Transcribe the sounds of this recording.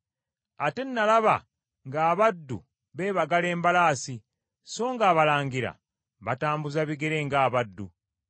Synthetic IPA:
ate̞nːalaβa | ŋɡaːβadːu | βe̞ːβaɡale̞ːmbalaːsi | so̞ːŋɡaːβalaːŋɡiɾa̰ | βataːmbuzaβiɡe̞ɾe̞ːŋɡaːβadːṵ

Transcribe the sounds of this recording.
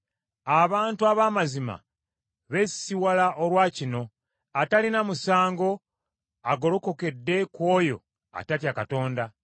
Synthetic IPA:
aβaːntuaβaːmazima̰ | βe̞siwalaʔoɾwaːcino̞ | atalinamusaːŋɡo̞ | aɡo̞loko̞ke̞dːe̞kwo̞ːjo̞̰ | a̰tatjakato̞ːnda

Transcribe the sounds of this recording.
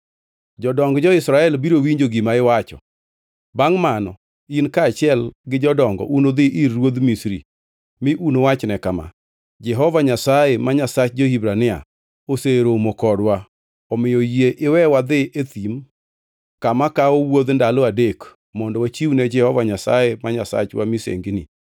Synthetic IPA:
d͡ʒɔdɔŋɡd͡ʒɔɪsɾaɛlbiɾowiɲd͡ʒoɡimaɪwat͡ʃɔ̰ | baŋmanɔ̰ | inkaːt͡ʃɪɛlɡɪd͡ʒɔdɔŋɡɔ̰ʔunod̪ɪʔɪrːwod̪misɾḭ | mɪʔunowat͡ʃnɛkama̰ | d͡ʒɛɦɔvaɲasaemaɲasat͡ʃd͡ʒohibɾanɪa̰ | oseɾomokɔdwa | ɔmɪjɔjeʔɪwɛwad̪ɪʔet̪im | kamakaowod̪ndalɔadek | mɔndɔwat͡ʃiwnɛd͡ʒɛhɔvaɲasa̰jemaɲasa̰t͡ʃwamisḛŋɡinḭ

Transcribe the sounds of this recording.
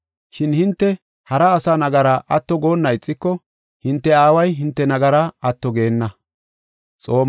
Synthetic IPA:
ʃɪnhɪnt̪ːɛ | hɐɾɐːsanɐɡɐɾɐʔɐt̪ːɔɡo̞ːnːɐɪt͡sʼːɪkːɔ | hɪnt̪ːɛaːwɐjɦɪnt̪ːɛnɐɡɐɾɐɐt̪ːɔɡe̞ːnːɐ | t͡sʼo̞ːm

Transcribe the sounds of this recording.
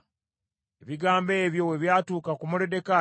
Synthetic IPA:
eβiɡaːmbe̞ːβjo̞we̞βjaːtuːkakumulede̞ka

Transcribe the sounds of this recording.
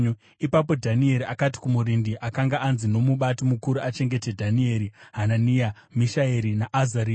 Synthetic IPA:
ipapodʱanie̞ɾiakati̥kumuɾindiʔakaŋɡaʔanzino̞muɓatimukuɾuat͡ʃe̞ŋɡe̞te̞dʱanie̞ɾiɦananija | miʃaeɾinaʔazaɾiː

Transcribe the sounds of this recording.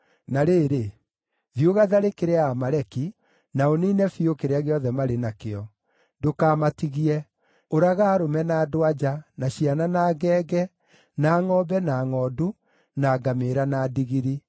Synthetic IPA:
naɾeːɾe | ðioɣaðaɾekeɾeaamaɾɛki | naoniːnɛfiokeɾeaɣeɔðɛmaɾenakeɔ | dokaːmatiɣiɛ | oɾaɣaːɾomɛnaːdowad͡ʒanaɕiananaːɡɛːɡɛ | naːŋɔːbɛnaːŋɔːdu | naːɡameɾanadiɣiɾi

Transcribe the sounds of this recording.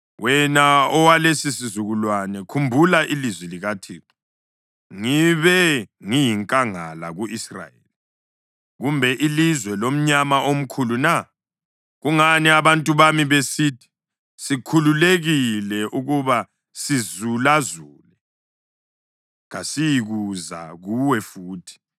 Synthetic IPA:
wʔɛnaɔwalesisizuɣulwanɛkʰumbʱulaʔilizwɛliɣatʰiːǀɔ̥ | ŋiβɛŋijiŋkʼaŋala̰ɣuʔisra̰jḛli | ɣumbʱɛʔilizwɛlom̩ɲamaʔom̩kʰuluna | ɣuŋaniaβantʼuβamiβesitʰi̥ | sikʰululeɣilɛʔuɣuβa | sizulazuːlɛ | ɣasijiɣuza̰ɣuwɛfuːtʰi̥

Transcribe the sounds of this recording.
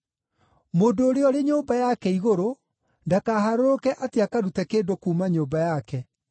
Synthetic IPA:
moːdoːɾeɔɾeɲoːbajakɛiɣoɾo | ndakaɦaɾoɾokɛʔateakaɾutɛkeːdokuːmaɲoːbajakɛ

